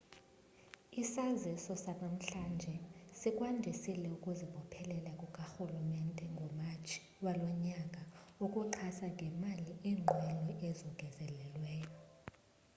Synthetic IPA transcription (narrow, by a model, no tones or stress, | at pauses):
isazisɔsanam̩ɬand͡ʒʱɛsikʼwandʱisilɛukʼuziɓɔpʰɛlɛlakʼukʼaxulumɛntʼɛŋɡʱɔmat͡ʃʰʼi̥ | walɔɲakʼaukʼuǃʰasaŋɡʱɛmaliʔiːŋ͡ǃʱwɛlɔʔɛzɔɡ̥ʱɛzɛlɛlwɛːjɔ